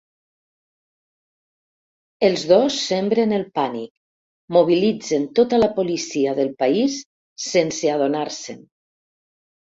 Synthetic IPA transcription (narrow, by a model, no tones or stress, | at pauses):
elˠzðosːembɾenəlˠpanik | muβ̞ilid͡zent̪ot̪alapolisiaðəlˠpaisː | enseaðonaɾsḛn